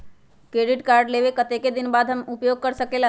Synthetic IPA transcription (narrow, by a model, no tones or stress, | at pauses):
kɾeɖiʈkaɾɖleβekət̪eked̪inbad̪ʱɦəmupjoɡ̚kəɾsəkelɦ